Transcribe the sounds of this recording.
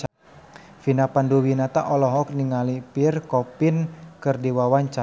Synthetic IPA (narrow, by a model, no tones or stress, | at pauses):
finapanduwinat̪a̰ʔɔlɔɦɔk̚niŋalipirkɔpinkɨrdiwawaɲt͡ʃa